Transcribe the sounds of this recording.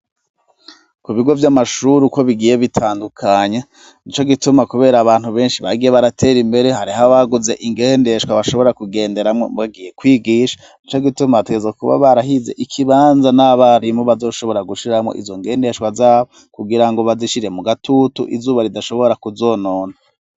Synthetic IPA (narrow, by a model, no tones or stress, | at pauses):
kuβiɡo̞vjamaʃuɾuko̞βiɡiːje̞βitʰaːndukʰaɲa | nit͡ʃo̞ɡitumakuβe̞ːɾaːβaːn̥huβe̞ːnʃiβaɡije̞βaɾatʰe̞ɾimbe̞ɾehaɾihaβaɡuze̞ʔiŋɡeːnde̞ʃkwaβaʃo̞βo̞ɾakuɡe̞ːnde̞ɾamŋo̰βaɡije̞kwiːɡiːʃḁ | nit͡ʃo̞ɡitumateɡezakuβa̰βaɾaɦize̞̰ʔikʰiβaːnzanaβaɾimoβazo̞ːʃo̞βo̞ɾaɡuʃiɾamo̞̰ʔḭzo̞ŋɡe̞ːnde̞ʃkwazaːβo | kuɡiɾaŋɡo̞βaziʃiɾe̞muɡatutṵʔḭzuːβaɾidaʃo̞βo̞ɾakuzo̞ːno̞ːna